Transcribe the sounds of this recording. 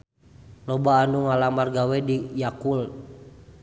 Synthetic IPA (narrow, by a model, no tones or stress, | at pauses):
lɔbaːnuŋalamarɡawɛdijakul